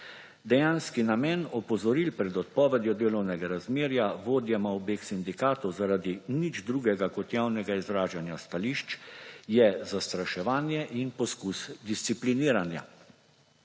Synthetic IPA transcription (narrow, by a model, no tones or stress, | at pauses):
d̪ɛjaːnskinamɛnɔpɔzɔɾilpɾɛd̪ɔt̪̚pɔːʋɛd̪jɔd̪eːlɔwnɛɡaɾazmeːɾjaʋoːd̪jɛmaɔbeːksind̪ikaːt̪ɔwzaɾaːd̪inid͡ʒd̪ɾuːɡɛɡakɔt̪jaːwnɛɡaizɾaːʒanjast̪aliːʃt͡ʃjɛzast̪ɾaʃɛʋaːnjɛʔinpɔskusd̪ist̪sipliniːɾanja̰